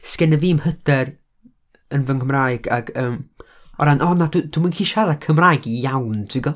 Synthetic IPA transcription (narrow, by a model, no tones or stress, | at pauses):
skɛnəviːmhəd̥ɛr | ənvənkʰəmraːjɡ̥aɡəːm | ɔ̰ɾanʔɔnadud̥umənkʰiːʃaɾakʰəmraːjɡijawntʰiɡɔ